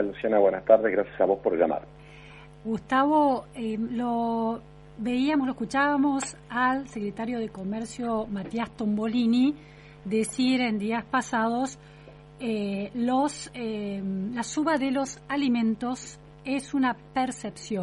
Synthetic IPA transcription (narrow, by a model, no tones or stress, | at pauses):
alusjanaβwenast̪aɾðeɣɾasjasaβospoɾʒa̰ma̰ɾ | ɡust̪aβoelo | βeiamosloehkut͡ʃaβamosalsekɾet̪aɾjo̞ð̞eko̞meɾsjomat̪jast̪ombolini | d̪esiɾend̪iaspasað̞o̞s | elosemlasuβaðelo̞salimẽnt̪o̞s | esunapeɾsepsjo